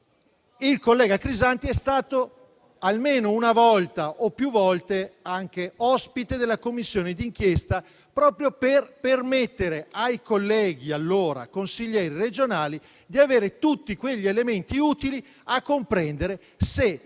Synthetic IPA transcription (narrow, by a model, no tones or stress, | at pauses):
ilkolːɛːɡakɾizant̪iɛst̪aːt̪o | almeːnounavɔlt̪aʔopːjuvɔlt̪eaŋk̟eɔspit̪ed̪elːakomːisːjoːned̪iŋk̟jest̪a | pɾɔːpɾjoperpermet̪ːeɾeajkolːɛːɡialːoːɾa̰konsiʎːɛːɾired͡ʒonaːli | d̪iaveːɾet̪ut̪ːikweʎːielement̪iuːt̪ili | akːompɾɛnd̪eɾe | se